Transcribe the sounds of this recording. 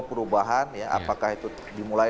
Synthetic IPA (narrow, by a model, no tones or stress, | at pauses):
pəɾubaɦanjaʔa̰pakahit̪u | dimula